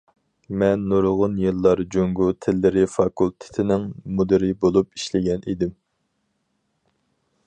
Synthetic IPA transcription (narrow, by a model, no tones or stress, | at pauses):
mɛnːuɾʁʊnjɨlˠːɑɾd͡ʒoŋɡut̪ʰɪlːɪɾɪfɑkʰulˠt̪ʰɪ̥t̪ʰɪnɪŋmud̪ɪɾɪbolˠupiʃlɪɡʲɛnʔid̪ɪm